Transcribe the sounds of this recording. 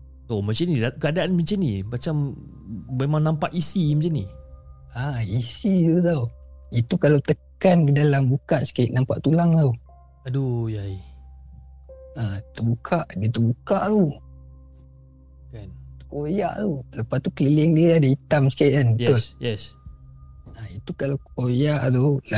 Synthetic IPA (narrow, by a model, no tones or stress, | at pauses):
t̪omət͡ʃanidkəadaanməɲt͡ʃanimat͡ʃamː | emãŋnampaʔisimət͡ʃani | aisit̪ut̪̬awit̪ukalawt̪əkankədalambukaʔsə̥kaɪʔ̪̚nampa̰ʔt̪ulaŋt̪aw | adojaj | at̪əbukʰaʔdiət̪əbukaʔt̪u | kant̪u̥koja̰ʔt̪uləpast̪ukəlilɪŋdiəadəit̪amsə̥kaiʔkanjt̪ujɛs | ait̪ukalawkojaʔt̪ula